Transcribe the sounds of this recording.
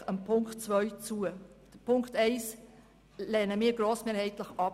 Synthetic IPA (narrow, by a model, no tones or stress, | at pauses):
əmpʰʊŋktt͡svœʏt͡suəd̥əpʰʊŋktɛɪs | lɛnəmiːɡ̥ɾoːsmeːɾhɛɪtləχʔɑp